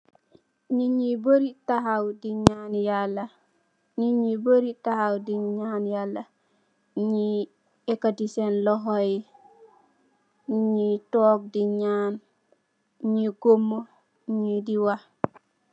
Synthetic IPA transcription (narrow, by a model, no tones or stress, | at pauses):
ɲiɲiboɾitaɦawdiɲaːnjala | ɲiɲiboɾitahawdiɲanjala | ɲi | ekadisenloɦoji | ɲitoːk̚diɲaːn | ɲiɡomo | ɲidiwa